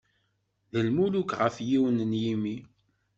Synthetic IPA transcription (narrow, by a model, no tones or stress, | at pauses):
ðəlmulukʁəfjiwənənjimi